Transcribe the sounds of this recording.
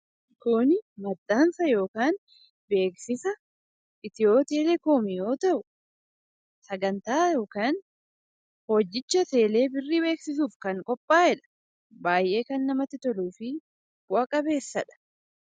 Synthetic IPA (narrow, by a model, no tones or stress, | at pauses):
kʊnɪmɐd̪ːaːnsɐjo̞ːkaːn | be̞ːksɪsɐ | ʔɪt̪ɪjo̞ːt̪ɪelɛkoːmɪjo̞ːt̪ɐʔʊ | sɐɡɐnt̪aːjo̞ːkaːn | hod͡ʒːɪt͡ʃːɐt̪e̞ːle̞ːbɪrːiːbe̞ːksɪsuːfkɐŋkʼɔpʼːaːɪᶑɐ̥ | baːjʔe̞ːkɐnːɐmɐt̪ːɪt̪ɔluːfɪ | wakʼɐbe̞ːsːɐᶑɐ̥